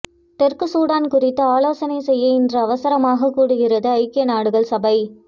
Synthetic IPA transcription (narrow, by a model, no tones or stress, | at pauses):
t̪ɛrkɯsuːɽaːnkʊrɪt̪ːɐaːloːsɐnɐɪsɛjːɐɪndrɐːʋɐsɐɾɐmaːɣɐkːuːɽɯɣɪrɐðɯɐɪkːɪnaːɽɯɣɐɭsɐbɐɪ